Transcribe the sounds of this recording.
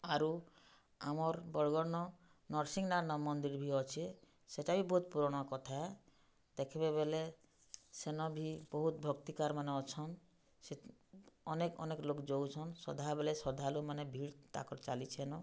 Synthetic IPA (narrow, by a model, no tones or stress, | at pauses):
aɾu | amɔɾbɔɽɡɔɽnɔ | nɔɾsiŋnaɾnɔmɔnd̪iɾbʱiɔt͡ʃʰe | seʈabʱibɔɦut̪̚puɾɔɽ̃ɔkɔt̪ʰae | d̪ekʰibebele | senɔbʱibɔɦut̪̚bʱɔkt̪ikaɾmaneɔt͡ʃʰɔn | se | ɔnekɔ̰neklokd͡ʒowt͡ʃʰɔnsɔ̰d̪ʱabelesɔd̪ʱalumanebʱiɭt̪a̰kɔɾt͡ʃalit͡ʃʰenɔ